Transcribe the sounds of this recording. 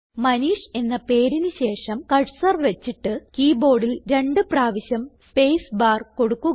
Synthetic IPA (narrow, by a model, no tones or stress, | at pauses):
mɐniːʂe̞nːɐpe̞ːɾinɨɕe̞ːʂɐmkɐɻsɐrʋet͡ɕːiʈːɨkiːbo̞ːɽilɾe̞ɳɖɨpraːʋiɕjɐmspe̞jsbaːrko̞ɽukːu